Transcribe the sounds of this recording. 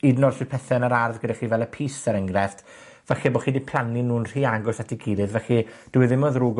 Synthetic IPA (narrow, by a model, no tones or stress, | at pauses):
idnɔrsɨ̥pʰɛθɛnəɾarðɡədaχivɛlˠəpʰiːsəɾəŋɡrɛft | vɛxibɔχiːdipʰl̥ˠaninuːnr̥iːaɡʊsatʰiɡiːlɨðvɛχid̥ɪwɪðɪmɔðruːɡ